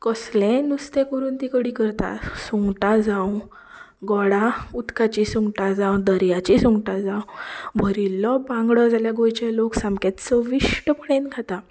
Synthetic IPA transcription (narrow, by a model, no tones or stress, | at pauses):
kɔslẽnust̪ẽkəɾuːnt̪ikəɽikəɾt̪a̰suŋɡʈad͡zãw | ɡɔɽaut̪kat͡ɕisuŋɡʈad͡zãwd̪əɾjat͡ɕisuŋɡʈad͡zãwbʱəɾilːɔbãŋɡɽəd͡zʱaljaɡojt͡ɕaloksãmket̪t͡səʋiʂʈəpəɽẽnɡʱat̪a